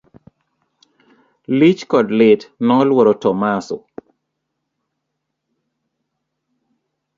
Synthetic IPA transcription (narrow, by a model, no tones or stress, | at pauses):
lit͡ʃkɔdlɪtnɔlwɔɾɔtɔmasɔ̰